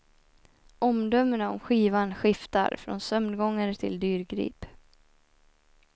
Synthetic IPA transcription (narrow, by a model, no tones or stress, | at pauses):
ʔɔmd̪œmːənaɔ̰mɧiːvanɧɪft̪a̰ɾfɾɔ̰nsœmd̪ɡɔŋːəɾt̪ʰɪ̰ld̪yːɾɡɾḭːp